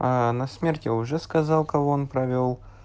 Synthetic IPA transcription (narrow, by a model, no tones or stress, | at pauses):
anɐsmʲertʲjaʊʐɛskɐzɑlˠkɐvoonpɾɐvʲolˠ